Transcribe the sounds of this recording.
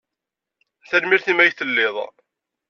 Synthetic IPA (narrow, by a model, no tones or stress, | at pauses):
θælmiɾθimæjθəlːɪðˤ